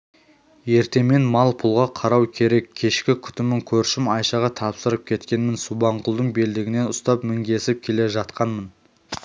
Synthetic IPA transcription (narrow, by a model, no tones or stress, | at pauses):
je̞ɾt̪e̞me̞nmɑlˠpʰʊlˠʁɑqʰɑɾɑwkʲʰe̞ɾe̞kʲʰːe̞ʃkʲɪkʲʰʏ̥t̪ɪmɪŋkʲʰɵɾʃɪmɑjʃɑʁɑt̪ʰɑpsəɾəp̚kʲʰe̞t̪kʲe̞nmɪnsubɑɴqʰʊlˠd̪əɴbe̞ld̪ɪɡʲɪne̞nʊst̪ɑpmɪŋɡʲe̞sɪp̚kʲʰe̞le̞ʒɑt̪qɑnmən